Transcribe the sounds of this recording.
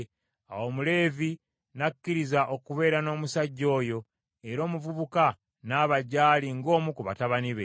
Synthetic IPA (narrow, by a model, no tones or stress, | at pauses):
a̰woːmule̞ːvi | nakːiɾizaʔo̞kuβe̞ːɾano̞ːmusaɟːo̞ːjo̞ | eɾo̞ːmuvuβuka | naːβaɟːaːliŋɡo̞ːmukuβa̰taβaniβe